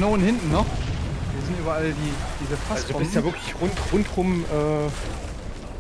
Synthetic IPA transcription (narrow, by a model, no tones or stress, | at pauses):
noːnhɪntn̩nɔχviːɐzɪntyːbɐaldiːd̥iːzəfʰaasdo̥bɪsstaːvɪɐkʰlɪçʁʊntʁʊntʁʊmʔɛː